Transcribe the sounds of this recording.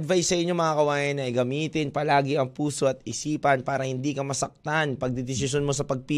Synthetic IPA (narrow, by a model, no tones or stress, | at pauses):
d̪vajsːɐʔɪɲjomɐŋakɐwaːjɐnɐjɡɐmiːt̪ɪnpɐlaːɡɪʔɐŋpuːso̞ɐt̪̚ɪsiːpɐnpaːɾɐhɪnd̪iːkɐmɐsɐk̚tt̪anpɐɡ̚d̪ɪd̪ɪsɪʃonmo̞s̬ɐpɐɡ̚pi